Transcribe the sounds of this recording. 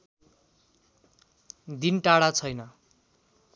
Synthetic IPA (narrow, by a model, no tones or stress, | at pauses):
d̪inʈaɽat͡sʰʌjnʌ